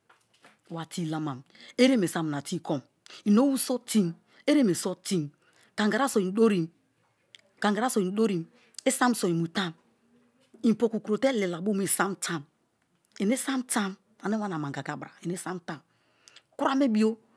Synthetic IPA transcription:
wa˨ti˦˨la˦ma˨me˦ɾe˦me˨sa˦m˨na˨ti˦ko˦m | i˨no˦wu˦so˦ti˦n | e˦ɾe˦me˨so˦ti˦n | ka˨ŋɡa˨ɾa˦so˨i˨n˨do˦ɾi˨m | ka˨ŋɡa˨ɾa˦so˨i˨n˦do˦ɾi˨m | e˦sa˦m˨so˨i˨mu˨ta˦m | i˨po˨ku˨ku˨ɾo˨te˦le˨la˨bo˦m˦i˨sa˦mta˦m | e˨ne˦sa˦mta˦m | a˨ne˦wa˦na˨ma˨ŋ˨ɡa˨ɡa˨bɾa˨e˨ne˦sa˦mta˦m | ku˦ɾa˦me˦bi˦o˦

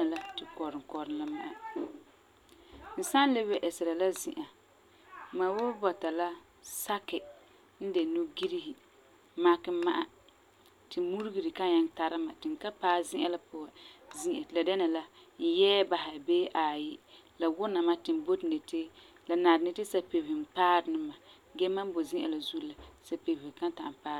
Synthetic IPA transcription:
a˨la˦tɪ˨kɔ˨ɾɪ˨kɔ˨ɾɪ˨n˦la˦ma˦ʔa˨ | n̩˨sa˦n˦lɪ˦bɛ˦ʔɛ˨sɪ˨ɾa˨la˦zi˨ʔa˨ | ma˨wʊ˦bɔ˨ta˨la˦ | sa˦kɪ˨ | n̩˦de˨nu˦ɡi˦ɾi˦hi˨ | ma˦kɪ˦ma˦ʔa˨ | tɪ˨mu˦ɾɡi˨ɾi˨ka˦ɲa˦ŋta˦ɾɪ˦ma˨tɪ˨ŋ̩˨ka˦paː˦zɪ˦ʔa˨la˦pʊ˦a˨zi˦ʔa˨la˨dɛ˦na˨la˦n̩˦jɛː˦ba˨ɦɪ˨beː˦ʔa˨ji˦ | la˨wʊ˦na˨ma˦tɪ˨m˨bo˦tne˨tɪ˦ | la˨na˨ɾnɪ˦tɪ˦sa˨pe˨bɪ˨hɪ˨m˨paː˦ɾnɪ˦ma˨ | ɡɛ˦ma˦m˦bo˨zĩ˦ʔa˨la˨zu˦la˨sa˨pe˨bɪ˨hɪ˨ka˦n˦ta˨m˨paː˦ɾ

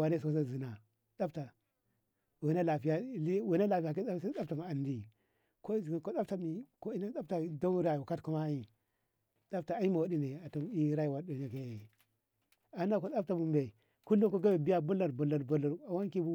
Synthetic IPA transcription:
wa˨ne˦s̬o˦s̬a˦zi˨na˨ | ɗa˦pta˨ | we˨na˦la˨fi˦ja˦i˦we˨˦na˦la˨fi˨a˨k̬e˦a˦sɗa˦ta˨m˨a˨ndi˨ | ko˦zi˨ɡko˦ɗa˦p̚ta˨mi˨ko˦i˦na˦ɗa˦pta˨do˦ɾa˨u˨ka˦tku˦ma˦i˦ | ɗa˦p̚ta˨a˨i˦mo˨wa˨˦di˦ne˨a˨to˨mi˦ɾa˦i˨wa˨˦do˨ɲa˨ke˦˨ | a˨˦na˦ko˨˦ɗa˦p̚ta˨bu˨mbe˨ | ku˦lo˦ko˦ɡa˦be˨bi˦ja˦bu˦la˨ɾbo˨la˨ɾbo˨la˨ɾa˨wa˦ŋki˦bu˦

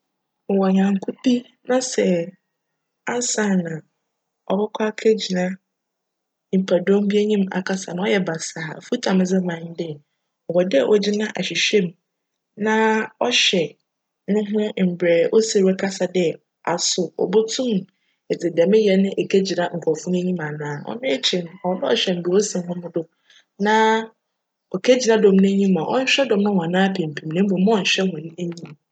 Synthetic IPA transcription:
m̩˨wɔ˨ɲã˨ŋ˦kʰu˦pi˦ | nã˦sɛ˨ | a˦sã˦˨nã˨ | ɔ̰˨bɛ˦kʷʰa˦kʰe˦d͡ʑi˨nã˦ | m̩˨pʰæ˨dõ˦m˦bi˦e˦ɲĩ˦ma̰˨kʰa˦sa˨nã˨˦ɔ˦jɛ˨ba˨saː˨fu˦tʰã˨mɪ̃˦zɪ˦mã˨˦n˦dɪ˦˨ | ɔ˨wɔ˨dʔɔ˨d͡ʑɪ˦nã˦ʔa˨ɕi˨ɕᶣɛ˦˨m˨ | nã˦ɔ˦ɕɛ˨ | nʊ̃˦ɦʊ̃˦m̩˨bɾɛː˨ʔo˦se˨wɛ˦kʰa˦sa˨dɪ˦ɛ˨ | a˨sʊ˨ɔ̰˨bʊ˦tʰũ˦m | e˨d͡zɪ˨da˨mɪ̃˦jɛ˨nɪ̃˦ʔe˨kʰæ˦d͡ʑi˨nã˨ŋ̩˨kʰɔ˨fʊ˦n˦e˦ɲĩ˦mã˨nãː˨˦˨ɔ̰˦mɪ̃˦e˦t͡ɕʰi˨n˨hɔ˨˦bɛ˦ɔ̰˨ɕᶣɛ˨m̩˨bi˨o˦si˨m˦ɦʊ̃˦mʊ̃˦dʊ˦ | nã˦ | ɔ˨kʰæ˦d͡ʑi˨nã˦dɔ̃˨mnʊ̃˦ɲĩ˦mã˨ʔɔ̰˦ɲ̩˦ɕᶣɛ˦dɔ̃˨m˦nʊ̃˦hɔ̃˨a˨nãː˦pʰẽ˨m̩˨pʰĩ˨mnɪ̃˦m˦bõ˨˦˨ɲ̩˨ɕᶣɛ˦hʊ̃˨nɪ̃˦e˦ɲĩ˦m

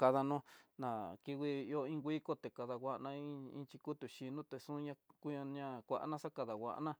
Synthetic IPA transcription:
ka˧ða˧nũ˦nã˨ki˧wi˧o˧ĩ˦ŋɡʷi˦ko˦t̪e˨ka˧ða˧wʷa˧ʔnã˧i˦ḭ̃˧t͡ʃi˧ku˦t̪u˨ʃi˧nũ˦t̪e˨sũ˦ɲã˧ku˦ɲa˧ɲã˦kʷa˧ʔa̰˧nã˦sa˦ka˧ða˨wʷa̰˨ʔnã˦

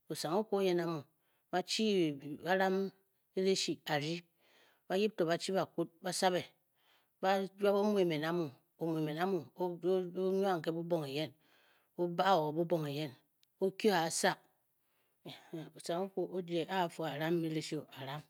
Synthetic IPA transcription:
o˨sa˨ŋo˦ku˦o˦je˦na˦mu˨ | ba˦t͡ʃi˦˨ba˦ɾa˦m | e˦ɾe˦ʃi˨a˨ɾi˦ | ba˦ji˦p̚to˨ba˨t͡ʃi˦ba˨ku˦t̚ba˦sa˦βe˨ | ba˦d͡ʒa˦bo˦mu˦e˨me˨na˦mu˨ | o˨mu˨e˨me˨na˦mu˨˦o˦ɲ˦a˦ŋ̩˨ke˦bu˦bo˦ŋe˨je˦n | o˦ba˦˨o˨bu˦bo˨ŋe˨je˦n | o˦kjo˦a˨sa˦˨k̚ | o˨sa˨ŋu˦ku˨o˦d͡ʒe˨ʔa˦˨fo˨a˨ɾa˦me˦ɾe˦ʃi˦o˨a˨ɾa˦m

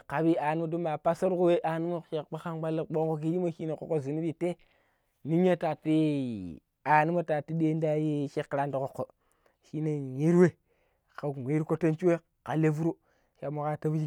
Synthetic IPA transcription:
ka˨bi˦a˨ni˦mo˦du˦ma˨pa˦so˦ɾku˦we˦ʔa˨ni˦mo˦˨ʃe˨kk͡pa˦ka˦nɡ͡ba˦lːi˦kɓo˦ko˦ki˦d͡ʒi˦mo˦ʃi˦na˨ko˨kːo˦zi˨ni˦bi˨te˦ | ni˦ɲa˦ta˨ti˦ | a˨ni˦ma˦ta˨ti˦de˦nda˦ji˦ʃe˦kːɾa˦ndi˨ko˨kːo˨ | ʃi˦ne˨ji˦ɾwe˦ | ka˨wʷe˦ɾko˦te˦nt͡ʃi˦e˦ | ka˨le˦vu˦ɾu˦ | ʃa˨mo˨ka˦ta˦vi˦d͡ʒi˦

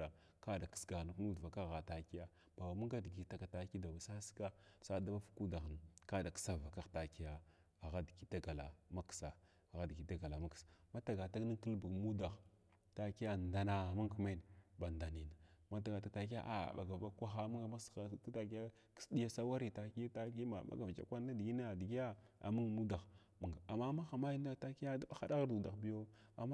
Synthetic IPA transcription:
a˨ | ka˦da˨kə̥˦sɡa˨ɣn˨knu˦dva˨ka˦ɣa˨ta˨ki˦ja˦ | b̥a˨wa˨mu˦ŋɡa˦dɡi˨ta˨ka˨ta˨˦ki˦da˨ba˨sa˦ska˦sa˦da˦ba˦fu̥˦ku˦da˨xn˨ka˦da˨ksa˦˨va˨ka˦ɣta˨ki˦ja˦ | a˨ɣa˦dki˦ta˦ɡa˨la̰˨ma˦ksa˨ | ɣa˦dki˨˦ta˦ɡa˨la˨ma˦ksḁ˨ma˦ta˨ɡa˨ta˦ɡni˦ŋ˦kə˦lbə˨ɡmu˦da˨x | ta˨ki˦ja˦˨nda˦na˨ma˦ŋkme˦nba˨nda˨ni˨na˨ma˦ta˨ɡa˨ta˦ta˨k̬i˦ja̰˦ʔa̰˨ɓa̰˨ɡa˨vba˦kʷa˦xa˦mu˦ŋɡa˨ma˦sta˨k̬i˦ja˦ | ki̥˦sdi˦ja˦sa˦wa˦ɾi˦ta˨ki˦ta˦ki˦ma˨ɓa̰˨ɡa˨d͡ʒa̰˨kʷa˦n˦a˦di˨ɡi˦na˦a˨di˨ɡi˦ja˦a̰˨mu˦ŋ˨mu˦da˨x | ma˨ɡa˨a˨ma˦ma˦xa˨ma˦ji˦n˦da˦ta˦ki˦ja˦da˦ɓa˨xa˦da˦ɣa˦ɾdu˨da̰˨xbi˦jo˦ | a̰˨m

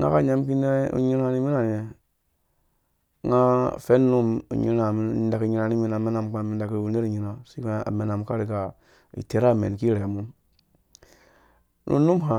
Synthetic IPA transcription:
ŋa̰˦ka˦ɲa˦mki˦ne˦ṵ˨ɲi˦ɾa˦ni˦mi˦na˨n˨e˨ | ŋa˦fe˦nː˦u˦mṵ˨ɲḭ˦ɾa˨˦˨da˨ki˨ɲi˨ɾa˨ni˦mi˨na˨me˦na˨m˨ka˨mi˨nda˨ki˦˨u˨ne˦ɾi˨ɲi˨ɾa˨si˦ka̰˨me˨na˨m˨ka˦ɾi˨ka˨ | ḭ˨te˨ɾa˦˨mḛ˨n˨ki˦ɾe˨mu˦m | nʔṵ˦nu˦mɦa˨

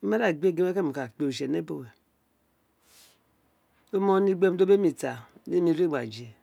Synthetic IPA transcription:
me˦da˦˨ɡ͡be˦˨ɡe˦me˦ke˦˨mi˨ka˨k͡pe˨u˨ʃe˨ne˦bo˦˨we˨ | o˦mo˦ni˦ɡ͡be˦m˦do˦be˦mi˨ta˨˦ne˦mi˨ɾe˦˨ɡ͡ba̰˨d͡ʒe˨

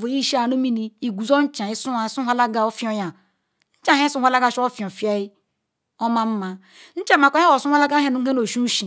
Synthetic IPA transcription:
vo˨˦i˦ʃi˦a˨no˦mi˦ni˦i˨ɡu˨zo˦n̩˦t͡ʃã˨i˦su˦a˨˦su˦a˦la˦ɡa˨o˦fi˦o˦ja˨ | n̩˦t͡ʃã˨˦e˦su˦wa˦la˦ɡa˨ʃo˦fi˨o˨fja˦i˦ | o˦ma˦m̩˦ma˨ | n̩˦t͡ʃa˦ma˨kʷo˦a˦o˨su˦a˦la˦ɡa˦e˦˨nu˨˦e˦no˨ʃu˦ʃi˨

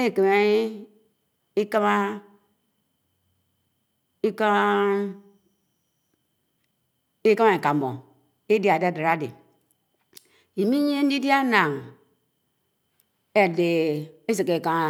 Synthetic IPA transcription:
e˦˨ke˨me˦ | i˦ka˦ma˦ | i˦ka˦ | i˦ka˦ma˨i˨ka˨m˨bo̰˨ | e˦di˦a˨da˦˨da˨ɾa˦dḛ˨ | i˨mi˦ɲ˦e˦n˦di˦di˦a˦na˨ŋ | e˨de˨e˦zi˨ke˨ka˨

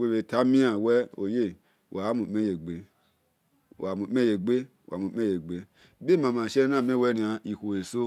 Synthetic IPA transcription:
we˦we˧˨ta˦mĩ˦a˨wɛ˦o̰˨je˦˨ | wa˨˦mũ˨me˦je˨ɡ͡be˨ | a˨mũ˨˦me˦je˨ɡ͡be˦˨a̰˨mũ˨˦e˦je˨ɡ͡be˧ | be˦˨mã˧˨mã˨ʃɛ˦nã˦˨me˦wɛ˦ɾĩ˨˧a˧i˨kʷo˨e˨so˦

